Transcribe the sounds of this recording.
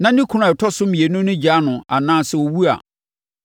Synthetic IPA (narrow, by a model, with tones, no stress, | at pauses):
nã˦nɪ̃˦kʰu˨˦nʊ̃˦˨tʰɔ˦sʊ˦mĩ˨e˨nʊ̃˦nʊ̃˦d͡ʑa˦nʊ̃˨a̰˨nãː˦˨sɛ˨wo˨wu˦a̰˨